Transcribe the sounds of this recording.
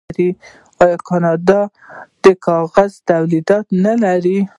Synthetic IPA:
ɾi | ɑjɑkɑnɑd̪ɑ | d̪̥əkɑɣazt̪awlid̪ɑt̪nalaɾi

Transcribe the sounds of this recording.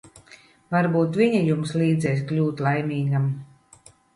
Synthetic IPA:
vaɾbuːt̪viɲajumsliːd̪zɛjs̬klʲuːt̪lˠajmʲiːɡam

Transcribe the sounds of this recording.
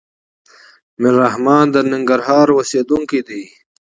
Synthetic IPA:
miɾaɦmaːnd̪əniŋɡəɾɦaːɾwoseːd̪uŋkid̪i

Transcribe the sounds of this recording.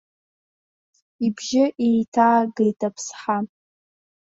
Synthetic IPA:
ibʒɪʔejtʰaːɡejtʼapʰsħa

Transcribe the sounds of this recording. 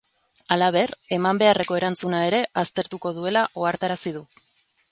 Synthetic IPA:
alaβ̞e̞re̞mambe̞are̞ko̞e̞ɾant͡sunae̞ɾe̞ʔast̪e̞ɾt̪uko̞ðue̞laʔo̞aɾt̪aɾasið̞u

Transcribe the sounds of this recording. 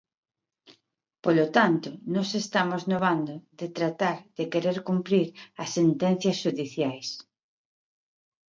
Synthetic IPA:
polot̪ant̪onɔsest̪amoznoβand̪oðet̪ɾat̪aɾðekeɾeɾkumpɾiɾɐsːent̪ɛn̟θjɐsʃuðiθjajs

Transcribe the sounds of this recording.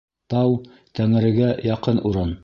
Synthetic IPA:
t̪ɑw | t̪æŋɘ̆ɾɘ̆ɡæjɑqɤnʔuɾɤn

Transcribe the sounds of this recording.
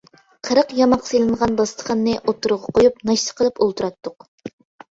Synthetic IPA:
qʰəɾəqjɑmɑqsejlˠɨɴʁɑnbɑst̪ʰə̥χənːɨʔot̪ːuɾʁɑqʰojup̚nɑʃt̪ʰə̥qʰəlˠɨpolˠt̪uɾɑt̪ːʊq

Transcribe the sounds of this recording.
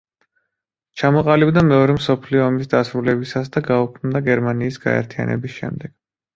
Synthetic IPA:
t͡ʃʰamɔqʼalibd̪amɛɔɾɛmsɔpʰliɔːmisd̪asɾulɛbisasd̪aɡaukʰmd̪aɡɛɾmaniːsɡ̥a̰ɛ̰ɾt̪ʰia̰nɛ̰bisʃɛ̰md̪ɛɡ̥

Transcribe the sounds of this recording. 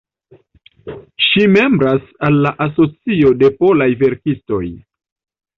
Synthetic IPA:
ʃime̞mbɾasalːaʔaso̞t͡sio̞de̞po̞lajve̞ɾkisto̞̰j

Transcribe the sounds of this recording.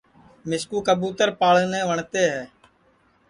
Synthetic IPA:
mɪskuːkəbuːt̪əɾpaːɭnẽːʋəɳt̪eːɦɛː

